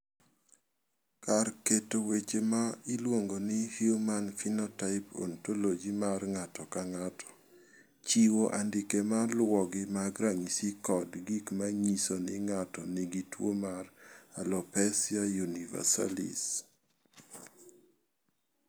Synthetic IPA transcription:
karketowet͡ʃemaɪlwoŋɡonɪhjumanfinɔtaɪpo̰ntolod͡ʒimarŋatɔkaŋatʰɔ̥ | t͡ʃiwoʔandɪkemalwɔɡɪmaɡɾaŋisikɔdɡikmaɲisonɪŋatɔnɪɡitwomaralɔpɛsiajuniva̰sa̰lḭs

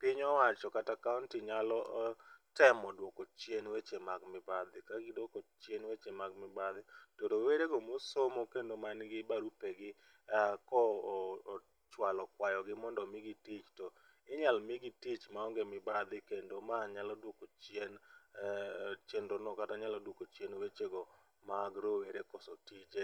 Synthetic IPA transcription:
pɪɲɔwat͡ʃɔkatakauntɪɲalɔtɛmɔdwɔkot͡ʃjenwet͡ʃemakmɪbad̪ɪkaɡidwokot͡ʃjenwet͡ʃemakmɪbad̪ɪtoɾoweɾeɡomosomokendomanɡɪbaɾupeɡɪ | akɔ | t͡ʃwalɔkwajɔɡɪmɔndɔmɪɡitit͡ʃto | ɪɲalmɪɡitit͡ʃmaɔŋɡemɪbad̪ɪkendomaɲalɔdwokot͡ʃen | t͡ʃenɾonɔkataɲalɔdwokot͡ʃjenwet͡ʃeɡɔ | maːɡɾoweɾekɔsotit͡ʃe

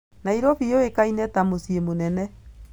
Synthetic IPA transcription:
naiɾɔfioekainɛtamosiemonɛnɛ

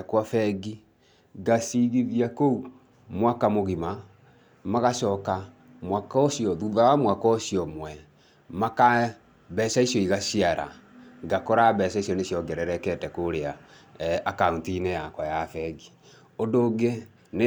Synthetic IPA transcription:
kwafɛɡi | ɡasiɣiðiakou | mwakamoɣima | maɣaʃɔka | mwakɔosiɔðuðawamwakɔsijɔmwɛ | maka | βɛsaisjɔiɣasiaɾa̰ɡakɔɾaβɛsaisjɔnesjɔɡɛɾɛɾɛkɛtɛkoɾea | akauntinejakwajafɛɡi | ondoːɡe | ne

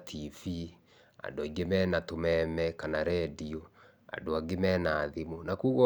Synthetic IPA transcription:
tʰifi | a̰ndoiɡemɛːnatomɛmɛkanaɾɛdio | a̰ndoaɡemɛnaːðimunakuɣɔ

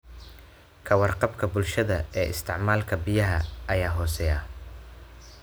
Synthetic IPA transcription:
kʰɐwɑrqɑbkʰɐbʊlʃɐðɐɛːʔɪ̰st̪ʰɪʕmaːlkʰɐbɪjɐɦɐʔɐjaːɦɔːsɛːjaː

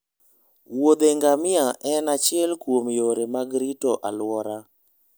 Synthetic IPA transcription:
wod̪eŋɡamɪaʔɛnat͡ʃɪɛlkwomjoɾemaɡɾitoʔa̰lwɔɾa

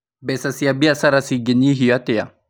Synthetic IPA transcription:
bɛsasiabiasaɾasiɡeniɦijat̪ɛja̰

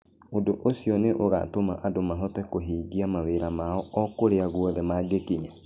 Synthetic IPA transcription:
odoʔosiɔneʔoɣa̰tomaʔadomaɦɔtɛkoɦiːɡiamaweɾamaɔɔkoɾeaɣwɔðɛmaɡekiɲa

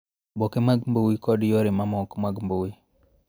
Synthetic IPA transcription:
bokemaɡmbowikɔdjoɾemamɔkmaɡmbowi

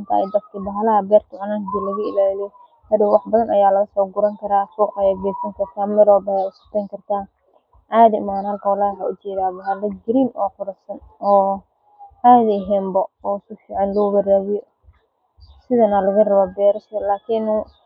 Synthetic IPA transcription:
nt̪ʰɐ̰ɪd̪ɐfkʰɐdɐɦlɐɦɐbɛːrt̪ʰɪʕʊnaːnd̪iːlɐɣɐɪ̰laːllɪjɔ | hɐðɪwɑħbɐðɐnɐjaːlɐɣɐsɔːɡʊɾɐŋkʰɐɾaːsuːqɐjaːɡɛːsɐŋkʰɐrt̪ʰaːmɛɾɔːbɐjaːʊskʊ̥t̪ʰɛːŋkʰɐrt̪ʰaː | ʔaːðɐɪ̰maːnɐlkʰɐwɑlaːɦɐʊt͡ʃɛːðaːbɐɦɐlɐɡɪɾiːnʔɔːqʊɾɐsɐn | ɔː | aːðɐɦɛːmbɐɔːʊsʊfiːʕɑnlʊwɐɾaːβɪjɔ | sɪðɐnɐlɐɣɐrɐβɐbɛːɾɐʃɐlaːkʰɪnː

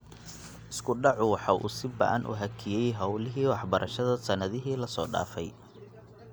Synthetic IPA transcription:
ʔɪskʰʊɖɑʕʊwɑħɑʔṵːsɪbɐ̰ʔɐ̰nʔʊ̰ɦɐkʰɪjɛjɦɑwlɪɦiːwɑħbɐɾʔɐʃɐðɐsɐnɐðɪɦiːlɐsɔːɖa̰ːfɛj

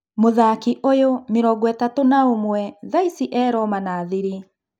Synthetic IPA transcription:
moðaːkiʔojomɪɾɔɡɔɛtatonaomwɛðaisiʔɛːɾɔmanaːðiɾi

